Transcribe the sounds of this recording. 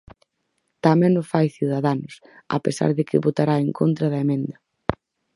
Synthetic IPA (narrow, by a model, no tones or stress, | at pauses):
t̪amɛ̃nʊfajθjuð̞aðanʊs | a̰pesa̰ɾðɪkɪβot̪aɾaeŋkʰont̪ɾɐðɐemẽnd̪ɐ